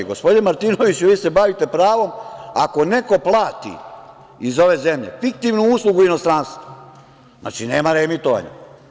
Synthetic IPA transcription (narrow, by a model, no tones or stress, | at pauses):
ɡospd̪inemaɾt̪inoʋit͡ɕuʋiːse̞baʋit̪e̞pɾaːʋo̞ma̰ko̞ne̞ko̞plˠaːt̪ḭ | izo̞ʋe̞zemʎe̞̰fik̚t̪iʋnuuːslˠuɡuino̞st̪ɾanst̪ʋa | na̰ːt͡ʃine̞ːmaɾemit̪oʋa̰ɲa̰